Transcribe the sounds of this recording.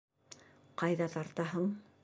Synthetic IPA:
qɑjðɑt̪ɑɾt̪ɑɦɤɴ

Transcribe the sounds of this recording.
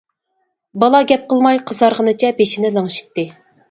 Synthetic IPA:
bɑlˠɑɡʲɛp̚qʰəlˠmɑjqʰəzɑɾʁənɨt͡ʃʰɛbeʃinɪlˠəŋʃi̥t̪ːɨ

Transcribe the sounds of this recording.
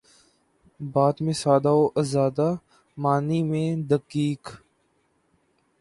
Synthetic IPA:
baːt̪mẽːsaːd̪aːoːʔəzaːd̪aː | maːniːmẽːd̪əkiːk

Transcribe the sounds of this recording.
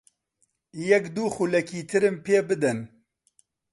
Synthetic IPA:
jɛkd̪uxulɛkiːt̪ʰɨɾɨmpʰeːbɨd̪ɨn

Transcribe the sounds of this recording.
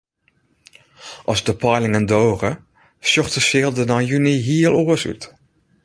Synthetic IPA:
ʔɔzdəpʰɔjlɪŋəndoːrə | sjɔxtəsjɪːlˠdənajyniɦiəlˠoəsy̰t

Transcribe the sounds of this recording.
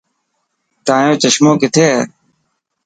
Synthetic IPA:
t̪ãːjõːt͡ʃəʃmõːkɪt̪ʰeː

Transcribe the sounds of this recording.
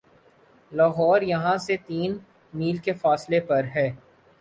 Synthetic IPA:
laːɦɔːɾjɐɦãset̪iːn | miːlkefaːslepɐɾɦɛː

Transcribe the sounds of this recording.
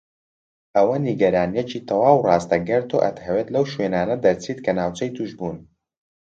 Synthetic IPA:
ʔɐwɐniɡɐɾaːnijɛcit̪ʰɐwaːwrɑːst̪ɐɡɪɾt̪o̰ʔɐ̰t̪hɐwet̪lɐwʃwenaːnɐd̪ɐɾt͡sʰiːt̪̚kʰɐnaːwt͡ʃɐjt̪ʰuʃbuːn

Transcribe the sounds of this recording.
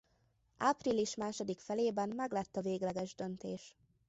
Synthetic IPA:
ʔaːpriliʃmaːʃo̞d̪ikfɛleːbɛmmɛɡlɛt̪ːɒveːɡlɛɡɛʒd̪ø̞nt̪eːʃ

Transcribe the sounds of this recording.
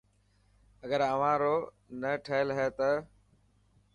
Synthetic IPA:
əɡəɾəʋ̤ãːɾoː | nəʈʰəːɪlɦɛːt̪ə

